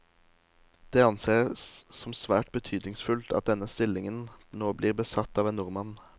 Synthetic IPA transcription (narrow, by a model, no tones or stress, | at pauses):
d̪̥ɛːɑnseːʁsɔmsʋæːʈ̚bət̪ʰyːd̪nɪŋsfʉlt̪ʰɑ̰t̪̚d̪ɛnəst̪ɪlɪŋənnoːbliːʁbəsɑt̪ːɑːʋeːnʊʁmɑn